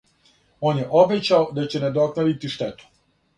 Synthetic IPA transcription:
o̞ːnjeʔo̞bet͡ɕaod̪at͡ɕe̞ned̪o̞knoʋit̪iʃt̪et̪u̥

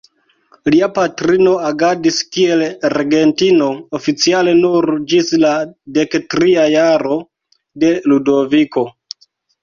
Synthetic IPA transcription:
liapatɾino̞aɡadiskie̞lɾɡe̞ntino̞ofit͡siale̞nuɾd͡ʒislade̞ktɾiajaɾo̞ | de̞ludo̞viko̞

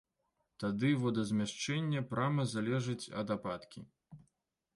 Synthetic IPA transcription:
t̪ad̪ɨvɔd̪ɐzʲmʲaʂt͡ʂɛnʲːɐpɾʔamɐzalʲɛʐɨt͡sʲɐ̰d̪apat̪kʲḭ

